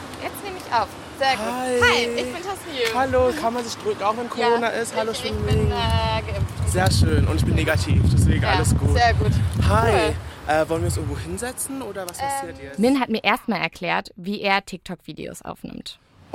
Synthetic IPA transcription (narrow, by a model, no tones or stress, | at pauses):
jɛt͡stneːməɪçʔaʊf | z̥eːɐhaɪhaɪntʰashaloːkʰanmanzɪçd̥ʁøːkŋ̩aʊxvɛnkʰoʁoːnaʔɪsthaloʃøːnmɪɡɪtz̥eːɐʃøːnʔʊ̰ntɪçb̥ɪnːeːɡatʰḭːfd̥asv̥eːɡŋ̩ʔaləsɡ̥uːteːɐɡuːthaɪʔɛːvɔlənviɐʊnsɪəɡŋ̩voːhɪnzɛt͡sn̩ʔoːdɐvaspʰasiːɐtɛmɪnɦatmiːɐʔeːɐst̚maːlɛɐkʰl̥ɛːɐtviːʔeːɐtʰɪk̚tʰɔkv̥iːdḛo̰ːsʔa̰ʊfnɪ̰mt